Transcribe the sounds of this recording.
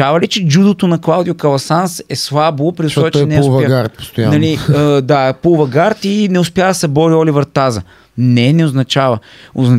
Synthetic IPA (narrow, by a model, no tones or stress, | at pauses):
avɐlit͡ʃɛd͡ʒud̪ot̪onɐklˠawd̪ijokɐlˠɐsansɛslˠabopɾioʃɔt͡ʃ̪ɔnɛvɐɡaɾt̪̚po̥st̪oannɐliəd̪apulˠvɐɡaɾt̪inɛʊspjavd̪ɐsɛbɔɾiɔlivəɾt̪azə | nɛnɛoznɐt͡ʃavəoznɐ